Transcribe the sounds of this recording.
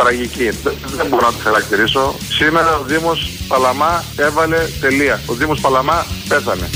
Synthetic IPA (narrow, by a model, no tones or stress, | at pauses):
t̪ɾɐʝicið | ðemboɾonɐt̪i̥xɐɾɐk̚t̪iɾiso̞ | sime̞ɾɐoðimospɐlɐmɐe̞vɐle̞t̪e̞liɐoðimospɐlɐmɐpe̞θɐne̞